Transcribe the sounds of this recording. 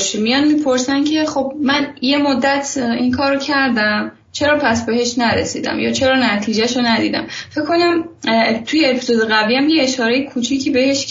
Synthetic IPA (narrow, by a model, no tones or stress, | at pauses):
ʃmijɒnmipʰo̞ɾsæncʰe̞χo̞b̚mænje̞mod̪ːæt̪ʰinkʰɒːɾocʰæɾd̪æm | t͡ʃʰe̞ɾɒːpʰæsbe̞ɦe̞ʃnæɾḛsiːd̪æ̰mjɒ̰ːt͡ʃʰe̞ɾɒːnæt̪ʰiːd͡ʒæʃonæd̪iːd̪æ̰mfe̞kʰːo̞næmt̪ʰujeepʰizod̪eɣæviːæmjeeʃɒːɾe̞jekʰut͡ʃʰicʰiːbe̞he̞ʃ